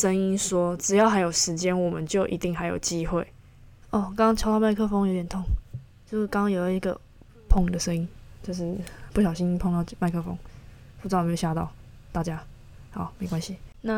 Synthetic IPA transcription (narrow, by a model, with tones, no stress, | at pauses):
ʂə˦ŋi˦˥nʂwɔ˦˥ʈ͡ʂɻ̩˨˩jɑ˥˩ʊxa˧ɪjo˨˩ʊʂɻ̩˧˦t͡ɕjɛ˦nwɔ˨˩mə˨˦nt͡ɕjo˥˩ʊʔḭ˧t̪i˥˨ŋɦa˨˥ɪjo̰˨˩ʊt͡ɕi˦xwe˥˨ɪ | ɔ˥˩kɑ˥ŋɑ˥ŋt͡ɕʰɑ˧˥ʊt̪ɑ˥˧ʊma˥˧ɪkʰɤ˥fo˥ŋjo˧˦ʊjɛ˨˩nt̪ʰo˥˩ŋ | t͡ɕjo˥˧ʂ̩˥˩kɑ˥ŋɑ˦ŋjo˨˩ʊ˩i˧˥ɡə̰˨ | pʰɔ˥˩ŋd̪ə˩ʂə˥˦ŋi˦˥nt͡ɕjo˥˧ʊʂ̬ɻ̩˥˩pu˥˩ɕjɑ˨˩ʊɕi˥˦ni˥pʰo˥˧ŋt̪ɑ˥˧ʊma˥˧ɪkʰɤ˥˧fo̰˦ŋp̩̪ː˥˩˥me˧˥jo˨˩ɕja˥˧t̪ɑ̰˥˨ʊ | t̪a˥˩t͡ɕja˦ | hɑ˨˩˦ʊme˧˥ɪkwa˦nɕi˨na˥˨